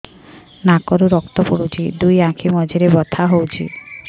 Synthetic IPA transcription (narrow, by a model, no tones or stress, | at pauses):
nakɔɾuɾɔkt̪ɔpoɽut͡ʃʰid̪ujãkʰimɔd͡ʒʱiɾebɔt̪ʰaɦowt͡ʃʰi